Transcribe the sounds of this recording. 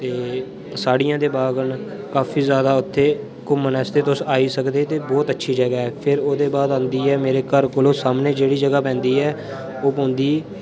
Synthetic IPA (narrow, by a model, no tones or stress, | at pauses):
t̪eː | saːɽijãːd̪eːbaːɡən | kaːpʰiːzjaːd̪aːʊt̪ʰːeː | kʊmːənɛːst̪eːt̪ʊsaːiːsəkd̪eːt̪eːbɔːt̪ətːʃʰiːd͡ʒəɡaːɦɛːpʰɪɾoːd̪eːbaːd̪ãːnd̪iːɛːmeːɾeːkəɾkoloːsaːmneːd͡ʒeːɽiːd͡ʒəɡaːpɛ̃ːnd̪iːɛː | oːpõːnd̪iː